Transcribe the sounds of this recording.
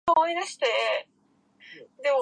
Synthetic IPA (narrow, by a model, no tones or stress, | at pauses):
omoid̪aɕi̥t̪e̞ | d̪e̞mo